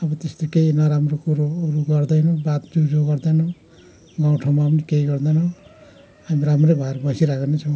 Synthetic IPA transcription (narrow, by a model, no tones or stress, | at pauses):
ʌbʌt̪est̪okeinʌɾamrokuɾoːɾuɡʌrd̪ʌjnʌbat̪d͡zud͡zʱoɡʌɾd̪ʌjnʌ | ɡaw̃ʈʰomapʌnikejɡʌɾd̪ʌjnʌ | amiɾamɾebʱaɾbʌsiɾaɡanet͡sʰʌ̃w̃